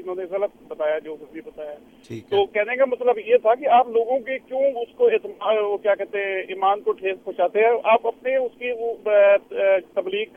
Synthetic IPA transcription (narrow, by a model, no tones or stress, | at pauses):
ɪnɦõːneɣɐlət̪̚bɐt̪aːjad͡ʒoːsibɐt̪aːjaɛː | t̪oːkɛɦnekamɐsləbjet̪ʰakiaːploːɡõkekjõːʊskoeːt̪mːokjaːkɛɦt̪eɦɛ̃ʔiːmaːnkoʈʰeːspʊ̃ːt͡ʃaːt̪eɦɛ̃ʔaːpɐpneʊskio | t̪ɐbliːɡ